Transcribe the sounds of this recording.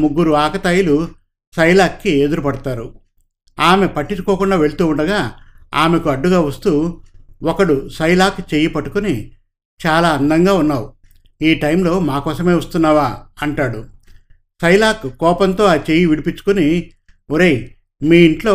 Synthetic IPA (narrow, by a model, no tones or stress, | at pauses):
muɡːuɾuaːkɐt̪aːjilu | sɐjlaːkːie̞d̪uɾupɐɽɐt̪aːɾu | aːme̞pɐʈːit͡ʃu̥kɔːkuɳɖaːʋe̞ɭut̪uːuɳɖɐɡaːa̰ːme̞kuɐɖːuɡaːʋɐst̪uːɔkɐɽusɐjlaːkt͡ʃeːjipɐʈːu̥kuni | t͡ʃaːlaːɐnd̪ɐŋɡaːunːaːwu | iːʈɐjmlo̞ːmaːkɔːsɐme̞ːʋɐst̪unːaːʋaːɐɳʈaːɽu | sɐjlaːkkːɔːpɐnt̪o̞ːaːt͡ʃeːjiʋiɽipit͡ʃːu̥kuni | oɾej | miːiɳʈlo̞ː